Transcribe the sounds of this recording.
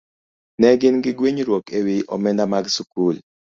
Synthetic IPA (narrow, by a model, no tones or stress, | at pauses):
nɛɡɪnɡɪɡweɲɾwokewiʔɔ̰mɛndamaɡsukul